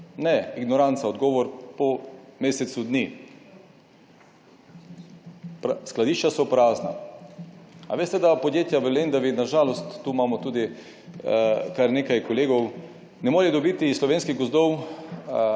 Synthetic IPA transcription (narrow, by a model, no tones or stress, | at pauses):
nɛiɡnɔɾant̪saɔd̪ɡɔːʋɔɾpɔmeːsɛt̪sud̪ni | psklad̪iːʃt͡ʃasɔpɾaːzna̰ | a̰ʋeːst̪ɛd̪apod̪jeːt̪jaʋəlend̪aʋinaʒaːlɔst̪ːuːmamɔt̪uːd̪i | kaɾnekajkoleːɡɔw | nɛmoːɾid̪obiːt̪islɔʋeːnskiɣɡozd̪ɔw